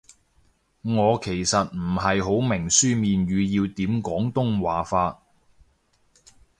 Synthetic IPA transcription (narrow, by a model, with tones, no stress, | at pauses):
ŋɔː˨˧kʰe˨˩jsɐ˨t̚m̩˨˩ɦɐ˨jɦo˨˥wmɪ˨˩ŋsyː˥miː˨nɥyː˨˧jiː˧wt̪iː˨˥mkɔː˨˥ŋt̪ʊ˥ŋwaː˨faː˧t̚